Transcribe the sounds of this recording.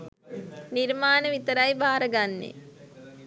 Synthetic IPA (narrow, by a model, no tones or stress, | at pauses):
niɾmaːnəʋit̪əɾajbaːɾəɡanːḛ